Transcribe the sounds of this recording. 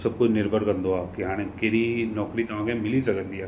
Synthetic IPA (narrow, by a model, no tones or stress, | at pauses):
sɐb̚kʊd͡ʒnɪɾbʱəɾkɐ̃nd̪oaːkiɦaːnekeːɾinɔːkɾit̪ɐʋãːkẽmɪlisɐɡənd̪ijaː